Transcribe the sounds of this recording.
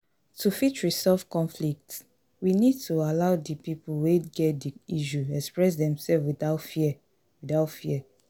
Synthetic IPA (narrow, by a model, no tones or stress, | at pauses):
tʰufitɹisɔlfkɔ̃nflik̚t | winid̚tualaʊdipipulweɡɛt̚diiʃuɛkspɹɛs̬dɛ̃msɛfwiθaʊtfiɛ | widaʊtfiɛ